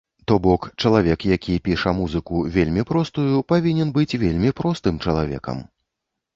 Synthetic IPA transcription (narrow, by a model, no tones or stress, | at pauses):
t̪ɔbɔkt͡ʂɐlˠavʲɛkjakʲʰipʲiʂɐmuzɨkuvʲelʲmʲipɾɔst̪ujupavʲinʲɛnbɨt͡sʲvʲelʲmʲipɾɔst̪ɨmt͡ʂɐlˠa̰vʲɛ̰kɐ̰m